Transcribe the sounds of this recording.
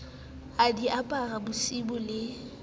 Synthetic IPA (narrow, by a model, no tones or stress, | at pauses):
adiʔapʼarabʊsibʊlɪ